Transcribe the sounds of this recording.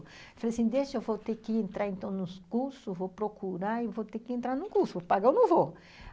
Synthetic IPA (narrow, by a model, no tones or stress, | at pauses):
falejasĩd̪eʃewvot̪ekɪẽnt̪ɾaɾẽnt̪ɐ̃w̃nʊskuɾsʊvopɾokʰuɾaewvot̪ekɪẽnt̪ɾaɾnʊ̃kuɾsʊvopaɡaewnõw̃vo